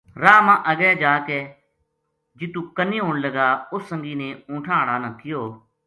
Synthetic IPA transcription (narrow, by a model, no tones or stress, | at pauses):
ɾaːmãːʔəɡɛːd͡ʒaːkeː | d͡ʒɪt̪ũːkəniːɦʊ̃ːɳləɡaːʊsːə̃ŋɡiːnẽːʊ̃ːʈʰãːɽaːnət̪ʰɪjoː